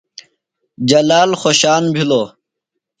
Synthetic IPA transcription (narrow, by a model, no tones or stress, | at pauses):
d͡ʑɐlaːlxoɕaːnbʱiloː